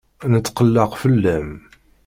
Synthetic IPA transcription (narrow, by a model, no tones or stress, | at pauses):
nət̪t͡sːqəlːəqfəlːæm